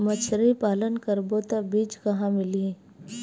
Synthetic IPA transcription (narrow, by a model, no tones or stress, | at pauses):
mət͡ʃʰɾipaːlənkəɾboːt̪abiːd͡ʒkɐɦãmɪliẽ